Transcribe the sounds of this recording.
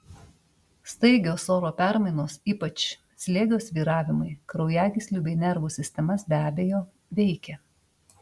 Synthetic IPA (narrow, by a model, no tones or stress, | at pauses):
st̪ɐɪɡʲoːsoːɾoːpʲæˑɾmɐɪnoːsiːpɐt͡ʃ | sʲlʲeːɡʲoːsʋʲiːɾɑːʋʲɪmɐɪkɾɒʊjæːɡʲɪsʲlʲuːbʲɛɪnʲɛɾʋuːsʲɪsʲt̪ʲɛmɐsbʲæːbʲejoː | ʋʲɛɪkʲɛ